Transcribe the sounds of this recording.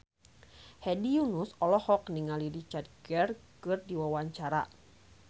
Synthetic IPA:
hɛdijunusɔlɔhɔk̚niŋaliɾit͡ʃart̪̚ɡɛrkɨrdiwawaɲt͡ʃaɾa̰

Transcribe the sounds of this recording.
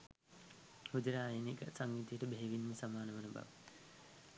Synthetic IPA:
hud͡ʒəɾaːjeniɡasaŋːit̪ijəʈəbeɦeʋinməsamaːnəʋənəba̰ʋə

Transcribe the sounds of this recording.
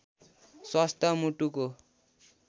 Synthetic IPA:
swʌst̪ʌmuʈuko

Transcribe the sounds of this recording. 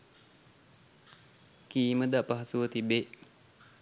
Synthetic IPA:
kiːməd̪aʔpəɦɐsuʋət̪ibeʔ

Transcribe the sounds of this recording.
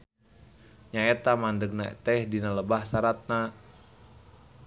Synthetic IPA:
ɲaɛt̪amandəɡ̚naɛ̰t̪ɛhdinaləbahsaɾat̪̚na

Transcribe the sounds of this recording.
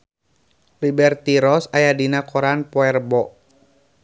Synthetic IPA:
libɛrt̪iɾɔsajadinakɔɾanpɔɛrbɔʔ

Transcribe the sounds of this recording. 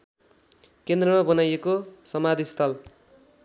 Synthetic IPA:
kend̪rʌmabʌnajekosʌmad̪ʱist̪ʰʌl

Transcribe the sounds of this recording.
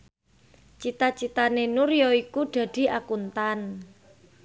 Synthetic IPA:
t͡ʃit̪at͡ʃit̪anenuɾjɔikuɖ̥a̤d̪̥i̤ʔakunt̪an

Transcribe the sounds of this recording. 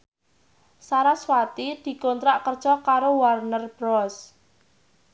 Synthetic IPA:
saɾaswat̪id̪̥i̤kɔnt̪ɾaʔkərd̥ʒ̥ɔkaɾowarnərb̥ɾɔs

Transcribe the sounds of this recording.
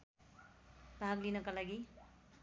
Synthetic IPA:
taaklinʌkʌlaɡi

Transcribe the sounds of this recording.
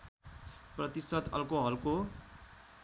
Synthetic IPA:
prʌt̪isʌt̪ʌ̰lkoɦʌɾuko

